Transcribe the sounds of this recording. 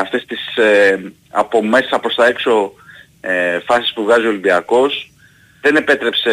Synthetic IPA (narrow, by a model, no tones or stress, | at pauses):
ɐft̪e̞st̪ise | ɐ̰po̞me̞sesɐpɾost̪ɐe̞kso̞ | efɐsi̥spuvɣɐzio̞limbiɐko̞s | ðe̞ne̞pe̞t̪ɾe̞pse